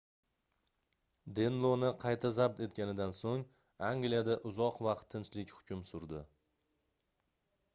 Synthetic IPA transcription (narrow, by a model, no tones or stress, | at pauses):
d̪e̞nlˠonɪqʰɑjt̪ʰazab̚t̪e̞t̪̚kʲanɪd̪ansoŋ | aŋɡlijad̪aʔʊzɒqvɑqt̪ʰːɪnt͡ʃlɪkʲhʊ̥kʲʰʊmsʊɾd̪ɪ